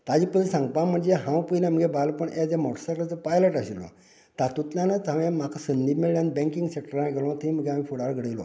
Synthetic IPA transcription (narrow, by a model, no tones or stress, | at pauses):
t̪ad͡ʑipəilsãŋɡ̚pãm̤əɳd͡zeɦãwpəjlam̤əɡebalpəɳed͡zamɔʈəsaklət͡səpajləʈaɕilo̰ | t̪at̪ut̪ljanət͡sãwjam̤akʰasənd̪imeɭjãnbɛ̃ŋkiŋɡsek̚ʈəɾãɡelõt̪ʰem̤əɡeamifʰuɽaɾɡʱəɽəjlo̰